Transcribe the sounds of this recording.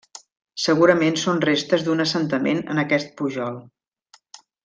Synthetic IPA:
səɣ̞uɾəmensonrest̪əzd̪unəsənt̪əmḛnə̰nəkɛst̪̚puʒɔlˠ

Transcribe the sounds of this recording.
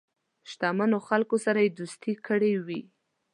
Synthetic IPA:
ʃt̪amanoxalkosaɾajed̪ust̪ikəɽewi

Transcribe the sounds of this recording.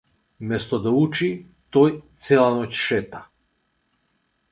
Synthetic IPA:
mɛst̪ɔd̪aut͡ʃi | t̪ɔjt̪sɛlˠanɔcʃɛt̪ḁ

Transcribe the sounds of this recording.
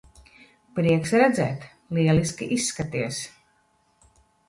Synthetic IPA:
pɾiɛksɾɛd̪zɛ̰ːt̪ | liɛliskʲiʔisːkat̪iɛs

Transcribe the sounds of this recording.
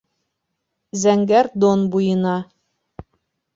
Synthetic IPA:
zæŋɡæɾd̪onbujɤ̆nɑ

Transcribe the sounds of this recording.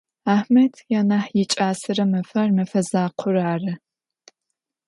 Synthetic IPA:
aːħmɐtʰjaːnaːħjɪt͡ʃʼaːsɨɾɐmɐfɐrmɐfɐzaːqʷʰʊraːrɨ

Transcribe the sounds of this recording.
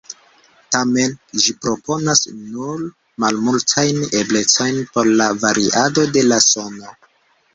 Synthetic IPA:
tame̞nʒipɾo̞po̞nasnuɾ | malmultʰajneble̞t͡so̞jnpo̞ɾlavaɾʔiʔado̞de̞laso̞no̞

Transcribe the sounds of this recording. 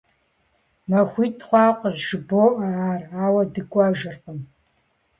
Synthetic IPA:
mɐxʷiːtʰʼχʷɑːqʷʼəzʒɨboːʔɐaːraːwɐdɨkʷʼaːʒɨrqəm

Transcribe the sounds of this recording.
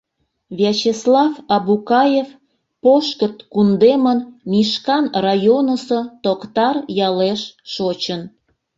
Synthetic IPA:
vʲet͡ɕeslɑfɑbukɑjef | poʃkət̪kund̪emənmiʃkɑnrɑjonəsot̪okt̪ɑrjɑleʃʃot͡ɕən

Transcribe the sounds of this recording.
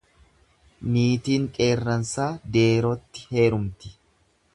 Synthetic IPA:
miːt̪iːŋkʼe̞ːrːɐnsaːd̪e̞ːɾot̪ːɪ̥he̞ːɾʊmt̪ɪ̥

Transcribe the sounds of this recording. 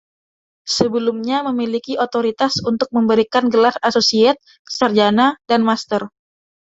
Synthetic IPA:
səbəlumɲaməmilikiʔot̪oɾit̪asunt̪ʊk̚məmbəɾikanɡəlarasosiat̪̚ | sərd͡ʒanadanmast̪ər

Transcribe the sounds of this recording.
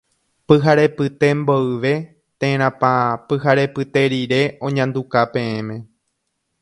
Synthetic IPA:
pɨɦaɾe̞pɨt̪e̞mboɨʋe̞ | t̪ẽɾ̃ãpãpɨɦaɾe̞pɨt̪e̞ɾiɾe̞õ̞ɲãnd̪ukapẽ̞ẽmẽ̞

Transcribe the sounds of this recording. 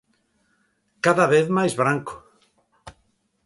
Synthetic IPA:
kaðaβeθmajzβɾaŋkʊ̥

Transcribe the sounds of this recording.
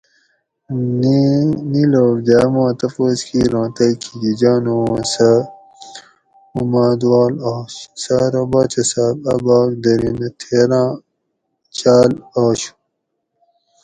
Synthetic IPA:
nniloːɾd̪aːmãːt̪ɐfoskʰiɾãːt̪ɐjkʰiɡid͡ʑaːnowõːsa | umaːd̪waːlaːɕsaɾɐbaːt͡ɕɐsaːbɐbaːk̚d̪ɐɾinɐt̪ʰeːɾãː | t͡ɕaːlaːɕu̥

